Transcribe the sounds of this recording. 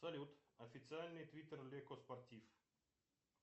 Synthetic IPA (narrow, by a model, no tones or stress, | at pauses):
sɐlʲut̪ɐfʲɪt̪sɨalʲnɨjt̪vʲit̪erlʲekɔspɐrt̪ʲif